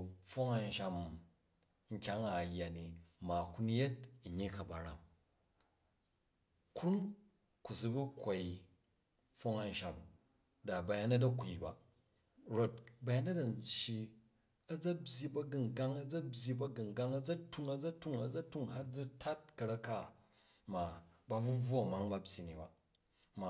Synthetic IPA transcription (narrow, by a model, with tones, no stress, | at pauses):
fo˦ŋa˨n˨ʃa˨m | ŋ̩˨kʲa˦ŋa˨jːa˨ni˨ma˨ku˦n˦je˦t̚ɲi˦kɐ˨ba˨ɾa̰˨m | kɾu˦m | ku˨s̬u˦bu˦kʷːa˨i˨ | fo˦ŋa˨n˨ʃa˨m | da˨ba˨ja˦nɐ˦dɐ˦kʷu˨ba̰˨ | ɾo˦˨t̚ba˨˦ja˦nɐ˦dɐ˨nt͡ʃːi˦ | ɐ˦d͡zɐ˦bʲji˦bɐ˦ɡɨ˨ŋ˨ɡa˦ŋɐ˦d͡zɐ˦bʲji˦bɐ˦ɡɨ˨ŋɡa˦ŋɐ˦d͡zɐ˦tu˦ŋɐ˦d͡zɐ˦tu˦ŋɐ˨d͡zɐ˦tu˦ŋha˦td͡zu˦tʰa˦t̚kɐ˨ɾɐ˦ka˦ | ma˨ba˨bu˦b͡vo˦ɐ˨ma˨˦ŋba˦bʲji˨ni˨ba̰˨ | ma˨